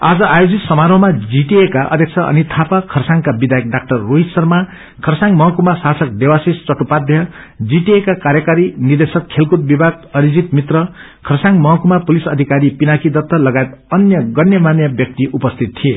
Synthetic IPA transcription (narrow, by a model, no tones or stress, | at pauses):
ad͡zʌʔajod͡zit̪sʌmaɾʌɦmad͡ziʈiekaʔʌ̰d̪ʱjʌkt͡sʰʌʌ̰nit̪ʰapakʰʌrsaŋkabid̪ajk̚ɖak̚ʈʌrːoɦit̪sʌrma | kʰʌrsãŋmʌɦʌkumasasʌk̚d̪ewasist͡sʌʈupad̪ʱjʌ | d͡ziʈiekakaɾjʌkaɾinird̪esʌkkʰelkut̪̚bibʱaɡʌɾid͡zit̪mit̪rʌ | kʰʌrsãŋɡmʌɦʌkumapulisʌd̪ʱikaɾipinakid̪ʌt̪ːʌlʌɡajet̪ʌnjʌɡʌnjʌmanjʌbjʌk̚t̪iʔupʌst̪ʰit̪̚t̪ʰie